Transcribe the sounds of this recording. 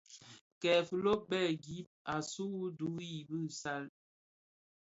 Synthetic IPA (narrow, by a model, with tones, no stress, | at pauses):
kɛ˨fu˨lo˦bɛ˦˨ɡi˨˦p̚a˨su˦u˦du˨˦i˨bɨ˦˨sa˦l